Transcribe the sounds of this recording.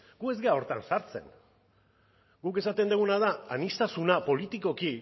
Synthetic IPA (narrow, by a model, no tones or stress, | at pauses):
ɡue̞zɡe̞ao̞ɾt̪a̰nsaɾt͡se̞̰n | ɡuke̞sat̪e̞nd̪uɣunað̞aanist̪asunapo̞lit̪iko̞ki